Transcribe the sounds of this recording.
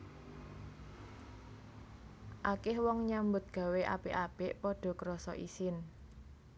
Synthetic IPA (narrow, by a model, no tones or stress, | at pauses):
ʔakɪhwɔŋɲambʊt̪̚ɡ̥ä̤weʔa̰b̥eʔab̥ɪʔpɔɖ̥ɔ̤kəɾɔsɔ̰ʔisɪn